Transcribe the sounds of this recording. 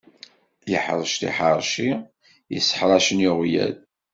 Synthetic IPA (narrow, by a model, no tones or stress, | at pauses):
jəħɾˤəʃt̪ḭħəɾˤʃi | jəsːə̥ħɾˤɑʃənjoʁjæ̰ð